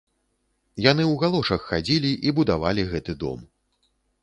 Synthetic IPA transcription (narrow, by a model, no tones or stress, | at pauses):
janɨwɣalˠɔʂɐxːad͡zʲilʲiʔibud̪avalʲiɣɛt̪ɨd̪ɔ̰m